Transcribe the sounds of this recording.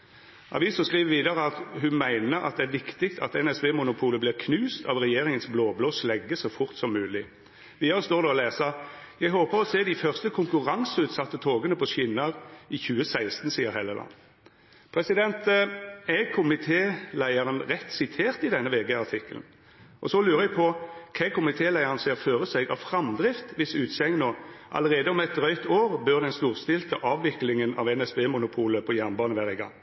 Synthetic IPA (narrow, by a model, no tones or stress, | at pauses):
ʔɑ̰ʋiːsɔskʁiːʋəʋiːd̪ɑʁəɑt̪ɦʉnmæɪnəɾɑ̰t̪̚d̪ɛæɾʋɪkt̪ɪkt̪ʰɑ̰t̪ɛnɛsbeːmʊnʊpʰuːləblɪʁkʰnʉːst̪ʰɑʋʁɛjeːʁɪŋənsbloːbloːslɛɡːəsɔʊfʊʁt̪sɔmːʉːlɪ | ʋɪːjɑst̪oːɾd̪ɛɔleːsɑjæɪɦoːpəʁɔseːd̪ɪfœʁst̪əkʰʊŋkʉʁɑŋsʉːt̪sɑt̪ːət̪ʰoːɡənəpʰɔʃɪnːɑʁɪçʉːəsæɪst̪n̩siːəɾɦɛləlɑ̰n | pʰʁɛsɪd̪ɛnt̪ɛkʰʊmɪt̪ʰeːlæɪəʁənʁɛt̪ːsɪt̪ʰeːʁt̪ɪd̪ɛnːəʋeːɡeɑʁt̪ʰɪkːəl̩n̩ | ʔɔsɔlʉːʁəɛɡpʰɔkʰɛkʰʊmɪt̪ʰeːlæɪəʁənseːʁføːʁəsɛɡɑ̰ʋfʁɑmd̪ʁɪft̪ʋɪsʉːt̪sɛŋnoːʔɑ̰ləʁeːd̪əɔmɛt̪ʁœʏt̪oːʁbœʁd̪ɛnst̪uːʁst̪ɪlt̪əʔɑːʋːɪklɪŋənɑ̰ʋɛnɛsbeːmʊnʊpʰuːləpʰɔjæʁnbɑːnəʋæːʁɪɡɑ̰ŋ